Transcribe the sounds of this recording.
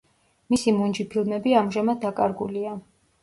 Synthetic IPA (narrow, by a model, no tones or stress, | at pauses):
misimund͡ʒipʰilˠmɛbiamʒamad̪̚dːakʼa̰ɾɡulia